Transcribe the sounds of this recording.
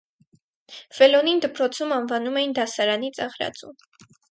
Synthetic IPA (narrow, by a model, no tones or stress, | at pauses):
vɛlɔnind̪əpɾɔt͡sʰumɑnvɑnumɛjind̪ɑsɑɾɑnit͡sɑʁɾɑ̰t͡sṵm